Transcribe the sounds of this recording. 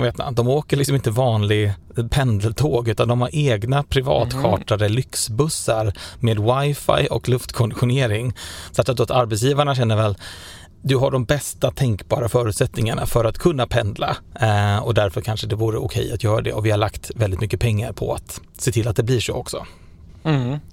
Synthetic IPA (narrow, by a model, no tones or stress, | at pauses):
veːt̪na̰d̪ɔmoːkəɭɪksɔmɪnt̪əvɑːnlɪɡ | pʰɛnd̪əlt̪ʰoːɡʉ̟ːt̪and̪ɔmhaɾʔeːɡnapʰɾɪvɑ̰ːt̪ɧɑ̰ːʈad̪əlʏksbɵsːaɾmeːd̪wajfa̰jʔɔklɵft̪kʰɔnd̪ɪɧʊneːɾɪŋsakt̪ːat̪d̪oːt̪aɾbɛt̪s̬jiːvaɳaɕɛnːəɾvɛl | d̪ɵɦaɖɔmbɛst̪at̪ʰɛŋkbɑːɾafœːɾʉ̟t̪sɛt̪nɪŋaɳa̰fœɾat̪kʰɵnːapʰɛnd̪la̰ | ɔd̪æɾfœɾkʰanʂəd̪ɛvuːɾəʊ̰kʰɛ̰jːat̪ʰjœːɾa̰d̪ɛ̰ɔvɪhaɭlakt̪vɛlɪt̪mʏkːəpʰɛŋːaɾpʰɔ̰at̪ | set̪ʰɪlːat̪̚d̪ɛblɪʂo̰ːɔksɔ̰